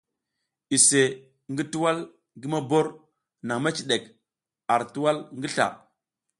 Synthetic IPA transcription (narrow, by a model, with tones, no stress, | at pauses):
i˨se˨ | ŋɡi˦tu˦wa˦l | ɡi˦ma˦bo˦ɾ | na˨ŋma˦t͡ʃi˨ɗe˨k | a˨ɾtu˦wa˦lŋɡi˦ɬa̰˨